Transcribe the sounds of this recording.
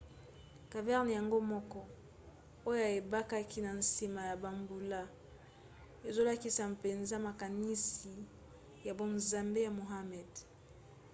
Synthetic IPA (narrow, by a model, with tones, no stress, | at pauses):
ka˨vɛ˦ʁn˨ja˨ŋɡo˦mɔ˦kɔ˦ | o˦jo˦a˨e˨ba˦ka˦kʰi˦na˨n̩˨si˨ma˨ja˨ba˨mbu˨la˦ | e˨zo˦la˦ki˦sa˨mpe˨nza˦ma˨ka˨ni˦si˨ | ja˨bo˨nza˨mbe˦ja˨mo˨ɦa˦mɛ˨d